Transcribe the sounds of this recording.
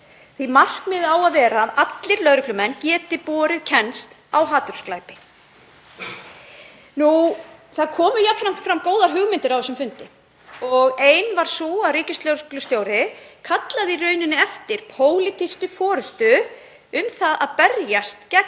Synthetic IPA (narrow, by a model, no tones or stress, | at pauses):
θimar̥kmɪðawaðvɛːɾaðat̪lɪɾlœðɾʏkʰlʏmɛncɛːt̪ɪpɔːɾɪðcʰɛnst̪awɦaːt̪ʏɾ̥sklajpɪ | nuθaðkʰɔːmʏjak̪fɾam̥t̪fɾamːkoːwðaɾ̥ɦʏɣmɪnt̪ɪɾawvɛsːʏmfʏnt̪ɪ | ɔɣeːjnvaɾ̥suaɾiːcɪst̪lowɾklʏst̪joːwɾɪkʰat̪laðɪirœːɥnɪnɪɛft̪ɪɾ̥pʰoːwlɪt̪ʰist̪ʏfɔːɾʏst̪ʏ | ʏmθaðaðpɛɾjast̪cɛk̚